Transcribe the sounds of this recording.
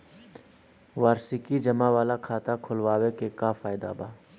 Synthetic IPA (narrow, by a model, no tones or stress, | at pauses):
ʋaːɾsikid͡ʒəmaʋaːlakʰaːt̪akʰʊlwaːwekekafaːɪd̪a̰baː